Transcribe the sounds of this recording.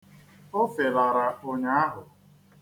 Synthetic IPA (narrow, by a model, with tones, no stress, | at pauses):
o˦fe˨la˨ɾa˨o˦ɲa˦a˦ɦʊ˨